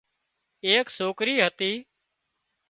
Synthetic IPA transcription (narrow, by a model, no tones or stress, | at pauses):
eːksoːkɾiːɦət̪iː